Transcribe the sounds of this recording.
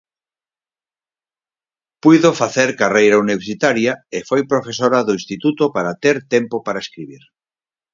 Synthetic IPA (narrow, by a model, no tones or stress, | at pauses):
pujðofaθeɾkarejɾauniβeɾsit̪aɾjaefojpɾofesoɾaðoinst̪it̪ut̪opaɾat̪eɾt̪empopaɾaeskɾiβ̞iɾ